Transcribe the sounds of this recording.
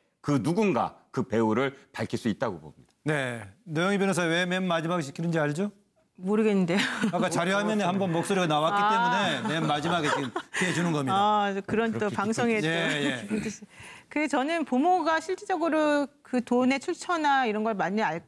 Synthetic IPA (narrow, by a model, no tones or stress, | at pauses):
kɯnuɡunɡa̰kɯpe̞uɾɯɭpaɭkʰis͈uit̚t͈aɡobo̰mɲid̥ḁne̞nejoŋibinesʰʌwe̞memːad͡ʑimaɡeɕ̬ʰikʰinɯnd͡ʑiaɭd͡ʑo | moɾɯɡenːɯnde̞oakk͈at͡ɕaɾjuɦamjʌnɯhambʌnmok̚s͈oɾiɡanawakk͈it͈e̞mune̞memːad͡ʑimaɡet͡ɕiɡɯmkiɦed͡ʑunɯnɡʌmiakɯɾʌnt͈opaŋsʰoŋejejetɯikɯɡet͡ɕʌnɯnpomoɡaɕʰiɭt͡ɕ͈ʰed͡ʑʌɡɯɾokɯtone̞t͡ɕʰuɭt͡ɕʰʌnaiɾʌnɡʌɭmaɲːiaɭ